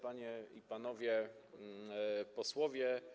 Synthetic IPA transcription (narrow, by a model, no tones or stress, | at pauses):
paɲɛipanɔvʲjɛ | pɔswɔvʲjɛ